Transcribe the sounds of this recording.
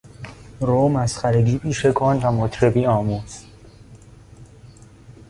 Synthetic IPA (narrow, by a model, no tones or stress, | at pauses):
ɾoːmæsxæɾeɡiːpʰiːʃekʰonvæmot̪ʰɾebiːɒːmuːz̥